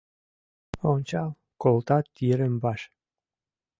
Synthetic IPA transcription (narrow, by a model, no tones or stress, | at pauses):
onʲt͡ɕɑlˠ | kolt̪ɑt̪ːiɾə̆mbɑʃ